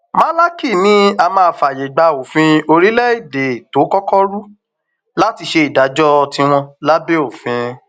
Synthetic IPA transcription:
ma˦la˦ki˦˨nĩ˦a˧mãː˦˧˨fa˨je˨ɡ͡ba˧o˨fĩ˧˦o˧ɾi˦lɛ˦i˦˨de˨to˨˦kɔ˦kɔ˦ɾu˦ | la˦ti˧ʃe˧i˨da˨˦d͡ʒɔ˦˧tĩ˧w̃ɔ̃˧la˦be˦o˦˨fĩ˧

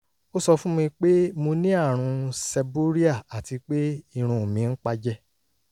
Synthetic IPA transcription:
o˦sɔ˧fũ˦mũ˧i˧k͡pe˦mo˧nĩ˦a˦˨ɾ̃ũ˧sɛ˧bo˦ɾi˦a˦˨a˨ti˧k͡pe˦i˦˧ɾ̃ũ˧˨mĩ˨˧n̩˦k͡pa˧d͡ʒɛ˦

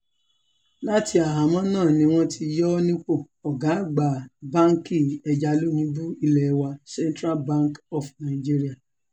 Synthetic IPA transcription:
la˦ti˧˦a˨ɦa˨˦mɔ̃˦nãː˦˨nĩ˧w̃ɔ̃˦tʰi˧jɔ˦nĩ˦k͡po˦˨ | ɔ˨ɡa˨˦˨ɡ͡ba˨bã˦ŋ˦ki˦˨ɛ˨d͡ʒa˧lu˦nĩ˧˦bu˦i˧lɛ˨˧˦wa˧sɛ˦ntɾa˦lbã˦ŋkɔ˨fnã˨d͡ʒi˦ɾi˦a˦˨

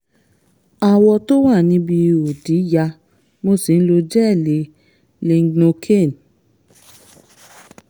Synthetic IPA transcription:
a˧wɔ˧to˦wa˦˨nĩ˧˦bi˧o˨di˨˦ja˧ | mo˧si˨n̩˦lo˧d͡ʒɛ˦˨le˨˦ | le˧ŋ˦ɡnõ˧kʰe˦˨n

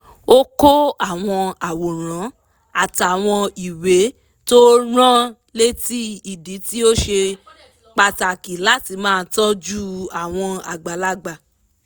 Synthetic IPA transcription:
o˦ko˦a˦˨w̃ɔ̃˧a˨wo˨ɾ̃ã˨˦ | a˦˨ta˨w̃ɔ̃˧i˨we˨˦ | to˦ɾ̃ã˦ | le˦ti˦i˦˨di˨˦ti˦o˦ʃe˧ | k͡pa˧ta˨ki˨la˨˦ti˧˦mãː˦˧˦tɔ˦d͡ʒu˦a˨w̃ɔ̃˧a̰˨ɡ͡ba˨la˦ɡ͡ba˨

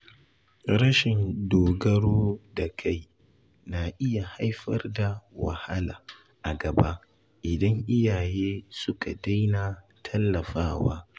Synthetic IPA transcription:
ɾɐ˦ʃɪ˨ndoː˨ɡɐ˦ɽoː˦da˨kʰa˦˨j | na˨ʔɪ˦ja˨ha˦jɸɐ̰˦rda˨wɐ̰˨ha˦laː˨ | ʔa˨ɡɐ˨ba˦ | ʔɪ˨dɐ˦ŋʔɪ˦jaː˨jeː˦sʊ˦ka˨da˦jnaː˨ | tʰɐ˦lːɐ˨ɸaː˦wa̰ː˦

